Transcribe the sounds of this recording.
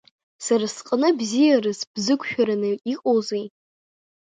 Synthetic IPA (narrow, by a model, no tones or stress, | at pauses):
saɾasqʼənɨbzijarɨzb̥zɨkʷʰʼʃᶣaɾanɨiqʼozej